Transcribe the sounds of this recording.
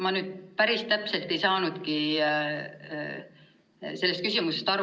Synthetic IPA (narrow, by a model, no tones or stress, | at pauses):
mɑnyːd̪̥̚pæɾist̪æpse̞lt̪ˑe̞jsɑːnud̪̥ki | se̞lːest̪kysimuse̞st̪ɑɾu